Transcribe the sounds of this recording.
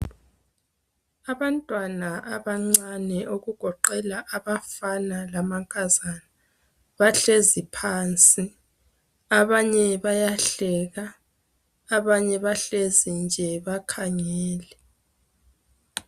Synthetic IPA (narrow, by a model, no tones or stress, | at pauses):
aβantʼwanaʔaβaŋ͡ǀanɛʔoɣuɡ̥ʱɔǃɛlaʔaβafanalamaŋkʼazana | βaɬezipʰant͡sʼi | aβaɲɛβajaɬɛɣaː | βaɲɛβaɬezind͡ʒʱɛβakʰaŋɛːlɛ